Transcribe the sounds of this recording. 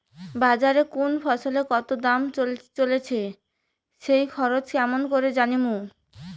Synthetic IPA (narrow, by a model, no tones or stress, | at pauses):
bad͡ʑaɾekunfʰɔʃolekɔt̪od̪amt͡ɕolt͡ɕolet͡ɕʰe | ʃejkʰɔɾot͡ɕkɛmonkoɾed͡ʑanimu